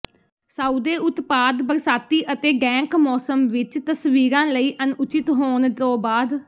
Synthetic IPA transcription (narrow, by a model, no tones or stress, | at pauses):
saːuːd̪eːʔʊt̪paːd̪bəɾsaːt̪iːʔət̪eːɡɛ̃ːŋkmɔːsəmʋɪt͡ʃt̪əsʋiːɾãːləiːʔənʊt͡ʃɪt̪ɦoːnoːbaːd̪